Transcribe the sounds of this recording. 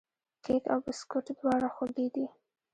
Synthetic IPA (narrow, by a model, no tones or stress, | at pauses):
kʰeka̰wbɪskʊʈd̪wɑɽaxod̪id̪i